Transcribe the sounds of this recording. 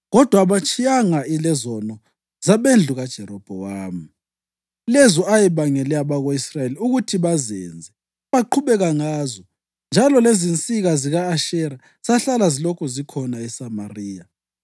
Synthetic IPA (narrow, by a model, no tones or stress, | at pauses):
ɣɔd̥ʱwaβat͡ʃʼʰijaŋailɛzɔnɔ | z̥aβend͡ɮʱuɣad̥ʒ̥ʱɛɾɔb̥ʱɔwaːmi | lɛzɔajɛβaŋɛlɛaβaɣoisrajeliuɣutʰiβazɛ̰nd͡zʱɛ | βaǃʰuβɛɣaŋaːzɔ | nd͡ʒʱalɔlezint͡sʼiɣaziɣaːʃɛɾa | saɬalazilɔkʰɔzikʰɔnaɛsamariːja